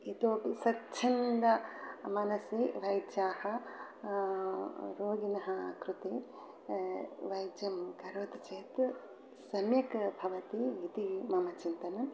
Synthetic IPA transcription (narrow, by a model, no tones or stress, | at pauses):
it̪oːpisɐtːt͡ʃʰɐnd̪ɐmɐnɐsiʋɐjd͡ʒjaːhɐ | ɾoːɡinɐɦɐkɾut̪e | ʋɐjd͡ʒjɐmkɐɾoːd̪ɐt͡ʃeːt̪ | sɐmjɐkbʱɐʋɐt̪iit̪imɐmɐt͡ʃint̪ɐnɐm